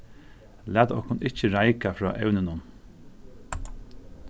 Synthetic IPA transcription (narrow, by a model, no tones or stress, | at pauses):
læːt̪ɔhkʊnɪcəɾaɪkafɾɔ̰ːʔɛ̰wnɪnʊn